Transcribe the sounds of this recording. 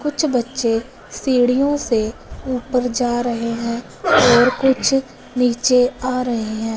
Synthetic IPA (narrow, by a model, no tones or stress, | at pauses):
kʊt͡ʃʰbətːʃe | siːɽijõseuːpəɾd͡ʒaːɾəɦeɦɛ̃ː | ɔːɾkʊt͡ʃʰ | niːt͡ʃeaːɾəɦeɦɛ̃ː